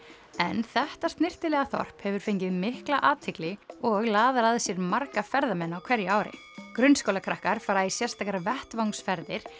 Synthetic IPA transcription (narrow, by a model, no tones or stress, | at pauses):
ɛnθɛht̪ast̪nɪr̥t̪ɪlɛɣaθɔ̰r̥phɛvʏɾ̥fejɲcɪðmɪhklaʔaːt̪ʰɪklɪɔɣlaːðɾaðsjɛɾmaɾkafɛɾðamɛnːawkʰv̥ɛɾjaːwɾɪ̰ | kɾʏnskowlakʰɾahkaɾ̥faːɾaisjɛr̥st̪ʰaːkaɾvɛht̪vawŋsfɛɾðɪɾ̥